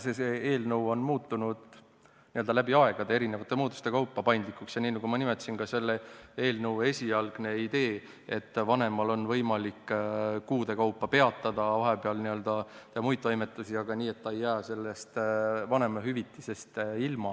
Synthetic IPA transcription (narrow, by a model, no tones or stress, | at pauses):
sesee̞ːlnəwo̞nmuːt̪ːunud̪̥ | niø̞ld̪̥ɑlæbiɑe̞ɡ̥ɑd̪e̞eɾinevɑt̪ːˑemuːt̪u̥st̪e̞kɑwpːɑpɑjnd̪likːˑuksjɑniːnɑɡ̥umɑnimet̪ːsinkɑse̞lːee̞ːlnɤwe̞sʲijɑlɡ̥ne̞id̪e̞ː | et̪ːvɑne̞mɑlo̞nvɤ̞jmɑlikːkuːd̪e̞kɑwpːɑpe̞ɑt̪ːˑɑd̪̥ɑvɑɦepeɑlniø̞ld̪̥ɑt̪emujt̪ːˑojme̞t̪ːˑusiɑɡ̥ɑniːe̞t̪ːɑe̞jːæːse̞lːe̞st̪vɑne̞mɑɦyvit̪ːˑise̞st̪ilmɑ